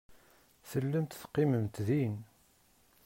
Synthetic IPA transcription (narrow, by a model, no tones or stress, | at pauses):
θəlːəmt̪θqːiməmt̪ðin